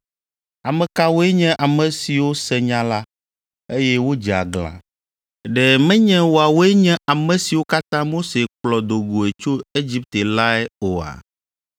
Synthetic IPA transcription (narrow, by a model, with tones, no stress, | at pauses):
a˨mɛ̃˨ka˦wo˦ɛ˦ɲɛ̃˦ʔa˨mɛ̃˨si˨wo˦sɛ˨ɲã˦la˦ | e˦jɛ˦wo˦d͡ʒa̰˨ɡla̰˨ | ɖɛ˨mɛ̃˦ɲɛ̃˦wo˨a˨wo˦ɛ˦ɲɛ̃˦a˨mɛ̃˨si˨wo˦ka˦t̪ã˦mo˦se˨k͡plɔ˨d̪o˨ɡo˨e˨t͡ʃo˦e˦d͡ʑi˦p̚t̪e˨la˦ɛ˦o˨a̰˨